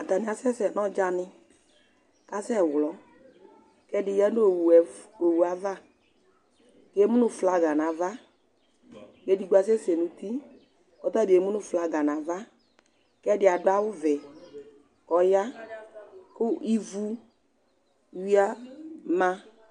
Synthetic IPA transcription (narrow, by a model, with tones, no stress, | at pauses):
a˨t̪a˨nɪ˨˦a˨˦sɛ˦sɛ˨nɔ˦d͡ʒa˧nɪ˧ | ka˦sɛ˦˨wlɔ˨˦ | kɛ˦dɪ˧ja˦no˦˨wɛ˨o˨wu˨a˨˦va˦˨ | ke˨˦mu˦nʊ˦fla˧ɡa˨na˨va˦ | ke˧di˨˦ɡ͡ba˧sɛ˦se˨nũ˨t̪i˦ | ɔ˨˦t̪ɔ˦dɪ˨e˨mu˦nʊ˦fla˧ɡa˨na˨va˦ | kɛ˦dɪ˨˦a˨dʊ˦a˦wʊ˦vɛ˨ | kɔ˨ja˦ | kʊ˦i˦vu˦ | wi˦a˦ma˧